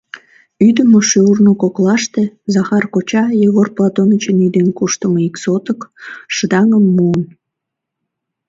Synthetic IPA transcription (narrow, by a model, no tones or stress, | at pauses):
yd̪əmoʃøurnokoklɑʃt̪e̽zɑxɑrkot͡ɕɑjəɣorplɑt̪onət͡ɕənyd̪enkuʃt̪əmiksot̪əkʃəd̪ɑŋəmːuən